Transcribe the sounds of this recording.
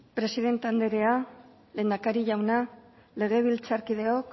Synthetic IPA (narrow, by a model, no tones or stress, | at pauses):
pɾe̞siðe̞nt̪eand̪eɾe̞a | le̞ːnd̪akaɾiʝawna | le̞ɣ̞e̞β̞ilt͡saɾkiðe̞ok